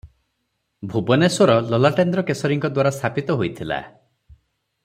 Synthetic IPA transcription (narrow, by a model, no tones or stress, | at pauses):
bʱubɔnesɔɾɔlɔlaʈend̪ɾɔkesɔɾiŋkɔd̪waɾast̪ʰapit̪ɔɦojt̪ʰila̰